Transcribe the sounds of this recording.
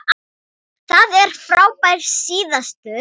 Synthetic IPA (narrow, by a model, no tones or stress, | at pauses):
θaðɛɾ̥fɾaːwpajɾ̥siːðast̪ʏ